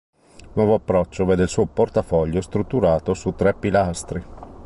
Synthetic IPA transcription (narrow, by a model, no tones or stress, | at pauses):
nwɔːvoapːɾɔt͡ʃːovɛːd̪eilsuːoport̪afɔʎːost̪ɾut̪ːuɾaːt̪osut̪ːɾɛpːilast̪ɾi